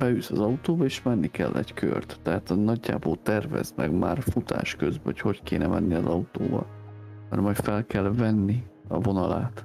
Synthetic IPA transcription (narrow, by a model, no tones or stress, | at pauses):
b̥ɛɦysɒzɒut̪oːbɒeːʃmɛnːikɛ̰lːɛɟkʰø̰rt̪ːɛɦat̪onɒɟːa̰ːboːt̪ɛrvɛ̰z̥mɛɡmaːrfut̪a̰ːʃkøzbɒcho̞ckeːnɛmɛnːiɒzɒut̪oːbɒ̰mɛrmɒjt̪fɛlkɛlvɛnːiɒvo̞nɒlaːt̪